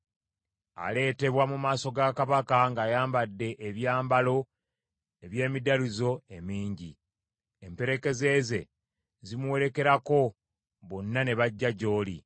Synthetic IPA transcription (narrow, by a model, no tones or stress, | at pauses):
a̰le̞ːte̞βwamumaːso̞ɡakaβakaŋɡaːjaːmbadːe̞ʔeβjaːmbalo̞ | eβje̞ːmidalizo̞e̞miːɲɟi | empe̞ɾe̞ke̞ze̞ze̞ | zimuwe̞ɾe̞ke̞ɾako̞ | βonːane̞βaɟːaɟo̞ːli